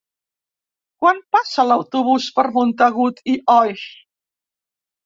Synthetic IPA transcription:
kwanpasəlawt̪uβ̞uspəɾmunt̪əɣut̪iʔɔj

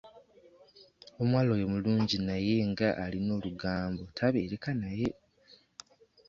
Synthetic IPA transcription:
o̞mwaːlojo̞muluːɲɟinaje̞ŋɡaʔːlino̞ːluɡaːmbo̞tʰaβe̞ːɾe̞kanaje̞

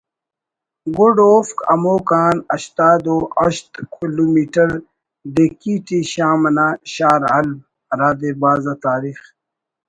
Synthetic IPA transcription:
ɡoɖoːfkɐ̰moːkaːnɐɕt̪aːd̪oɐɕt̪kiluːmiːʈɐɾ | ɖekiːʈiɕaːmɐnaːɕaːɾɐlb̚ | ɾaːd̪ebaːzat̪aːɾiːx

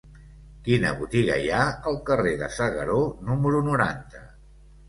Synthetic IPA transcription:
kinə̰βut̪iɣə̰jaəlˠkəreðə̰səɣəɾonuməɾunuɾa̰nt̪ə

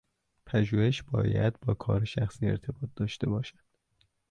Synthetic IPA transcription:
pʰæʒuːhe̞ʃbɒ̰ːjæ̰d̪bɒːkʰɒːɾeʃæxsiːeɾt̪ʰe̞bɒːt̪̚d̪ɒːʃt̪e̞bɒːʃæd̪̥

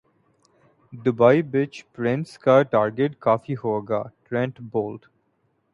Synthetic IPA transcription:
d̪ʊbaɪbɪt͡ʃpɾɪ̃nskaʈaːɾɡeʈkɔːfihoːɡa̰ʈɾɛ̃ɳʈboːlɖ

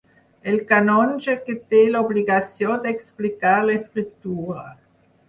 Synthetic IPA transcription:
elkanɔnʒeket̪elobliɡasjɔ̃d̪eksplikaʁleskʁip̚t̪uːʁa

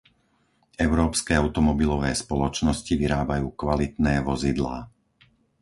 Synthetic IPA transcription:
ɛʊɾɔːpskɛaʊt̪ɔmɔbilɔʋɛːspɔlɔt͡ʃnɔsciʋiɾaːbajuːkʋalit̪nɛːʋɔzid̪la̰ː

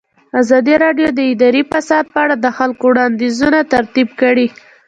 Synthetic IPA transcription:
azɑd̪iɾɑɖjod̪əɪd̪ɑɾifasɑd̪̚pəaɽad̪əxalkowɽɑnd̪izunat̪aɾt̪ib̚kəɽi

